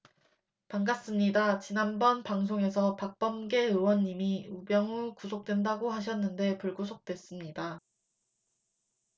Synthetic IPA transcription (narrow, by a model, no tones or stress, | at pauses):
paŋɡas͈ɯmɲidat͡ɕinanbʌnpaŋs̬ʰoŋe̞sʰʌpak̚p͈ʌmɡe̞ɯwʌɲːimiubjʌŋɯkusʰok̚t͈we̞ndaɡoɦaɕ̬ʰʌnːɯnde̞puɭɡusʰok̚t͈we̞s͈ɯmɲida